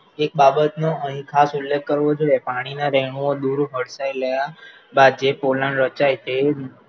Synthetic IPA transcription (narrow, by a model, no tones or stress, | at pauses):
ek̚babət̪noəɦĩkʰasulːeɡ̚kəɾʋod͡ʒoepaɽ̃inaɾɛɳ̃uod̪uɾɦəɽsajləja | bad̪̚d͡ʒepolanɾət͡ʃajte